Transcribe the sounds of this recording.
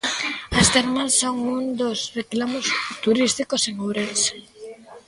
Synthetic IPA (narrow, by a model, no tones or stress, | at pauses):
ɐst̪eɾmãssoŋmũnd̪osreklamost̪uɾist̪ikoseŋowɾels